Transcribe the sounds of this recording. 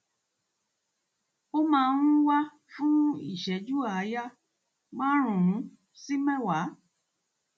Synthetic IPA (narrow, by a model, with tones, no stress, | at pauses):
o˦mãː˧˦nũ˦wa˦ | fũ˦ḭ˦˨ʃɛ˨˦d͡ʒu˦a˨˦ja˦ | ɡ͡bã˦ɾ̃ũ˨ɾũ˨˦ | si˦mɛ̃˦˨wa˨˦